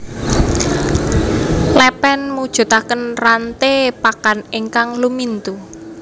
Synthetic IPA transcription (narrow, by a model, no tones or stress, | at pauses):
lɛpɛnmud̥ʒ̥ṳt̪akənrant̪epakaneŋkaŋlumint̪u